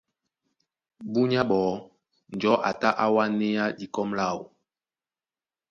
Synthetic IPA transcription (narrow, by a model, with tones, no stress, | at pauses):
bu˦ɲa˦ɓɔː˨˦ | n˨d͡ʒɔ˦ʔa̰˨ta˦ʔa˦wa˦ne˦ja˦ɗi˨kɔ˦mla˦˨wu˨